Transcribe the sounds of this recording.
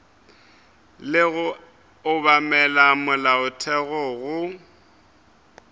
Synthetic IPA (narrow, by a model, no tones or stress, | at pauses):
lɪɣʊ | ʊβamɛlamʊlaʊtʰɛɣɔɣʊ